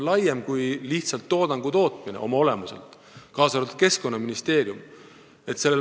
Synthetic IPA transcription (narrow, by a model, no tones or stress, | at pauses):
lɑjːemkujliht̪sɑlt̪ːo̞ːd̪ɑŋɡ̥ut̪o̞ːt̪mineʔo̞̰mɑo̞le̞muse̞̰lt̪ | kɑːsɑlt̪t̪̚ke̞sko̞nːɑminist̪e̞ːɾium | e̞t̪ːse̞lːe